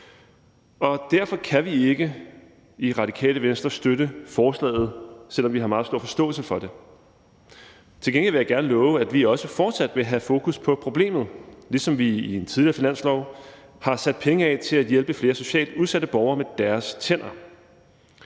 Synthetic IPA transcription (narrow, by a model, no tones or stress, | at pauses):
ɒ̽d̥æɐ̰fɒ̽kʰæʋie̝ɡ̥ə | iʁɑ̈d̥ikʰɛ̰ːləʋensd̥ɐsd̥øɾəfɒːslɛ̰ːɪð̞̩ˠsel̰ɒ̽mʋiɦɑ̈mɑ̈ːð̩ˠsd̥o̝ɐ̰fɒ̽sd̥ɔ̰̽ːl̩səfɒ̽d̥e̝ | t͡sʰe̝lɡeŋliʋejɑ̈ɪɡ̥æɐnəlɔ̽ːʊəæd̥ʋiɒ̽səfɒːd̥sæd̥ʋe̝ɦæfo̝ːkʰuspʰɒ̽pʰʁo̝b̥le̝̰ːmð̩ˠlisɒ̽mʋiient͡sʰiðˠliɐfinæn̰slɒʊ | hɑ̈sæd̥̚pʰeŋəɛt͡sʰe̝læd̥jelb̥əfle̝ːɐso̝ɕɛ̰ːld̥uð̞ˠsæɾ̥əb̥ɒʊɐːmed̥æɐst͡sʰen̰ɐ